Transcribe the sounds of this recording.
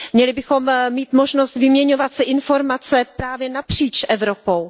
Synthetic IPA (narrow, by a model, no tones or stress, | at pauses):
mɲɛlɪbɪxo̞mːiːt̪mo̞ʒnost̪vɪmɲɛɲo̞vat̪sɛʔɪnfo̞ɾmat͡sɛpɾaːvjɛnapr̝̥iːt͡ʃʔɛvɾo̞po̞w